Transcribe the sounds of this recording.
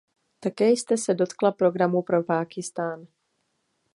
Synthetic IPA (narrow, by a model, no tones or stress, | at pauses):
t̪akɛːjst̪ɛsɛdo̞t̪klapɾo̞ɡɾamupɾo̞paːkɪst̪aːn